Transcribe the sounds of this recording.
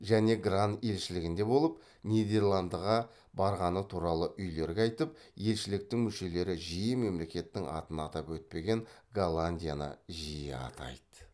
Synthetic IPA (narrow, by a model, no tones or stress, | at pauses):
ʒæne̞ɡrant̪e̞lʃɪlɪɡʲɪnd̪e̞bo̞lˠəp | nijd̪e̞rlˠand̪əʁɑ | bɑɾʁɑnət̪ʰuɾɑlˠəʔʏjle̞ɾɡʲeɑjt̪əp̚je̞lʃɪlɪk̚t̪ɪŋmʏʃe̞le̞ɾɪʒijəme̞mle̞kʲe̞t̪ːɪŋʔɑ̰t̪ənɑt̪ɑpwɵt̪̚pe̞ɡʲe̞ŋɡalˠanʲd̪ʲijanɑ̰ʒijɪ̰ɑ̰t̪ʰɑ̰jd̪̥ə̥